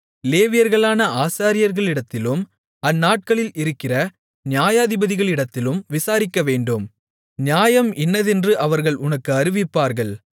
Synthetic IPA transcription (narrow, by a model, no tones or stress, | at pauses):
leːʋɪjɐɾɣɐɭaːnɐaːsaːɾɪjɐɾɣɐɭɪɽɐt̪ːɪlɯm | ɐnːaːʈ̚kɐɭɪlɪɾɯkːɪrɐ | nɪjaːjaːðɪbɐðɪɣɐɭɪɽɐt̪ːɪlɯmʋɪsaːɾɪkːɐʋeːɳɖɯm | njaːjɐmɛnːɐðɛndrɯʔɐʋɐɾɣɐɭʔʊnɐkːɯɐɾɯʋɪpːaːɾɣɐɭ